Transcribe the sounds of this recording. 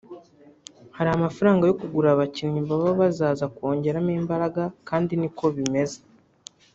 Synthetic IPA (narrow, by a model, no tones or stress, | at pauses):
haɾihamafaɾaːŋɡajo̞kuɡuɾaβacinɲimbaβaβazaːzako̞ːɲɟe̞ɾamiːmbaɾaɡakaːndiniko̞βime̞ze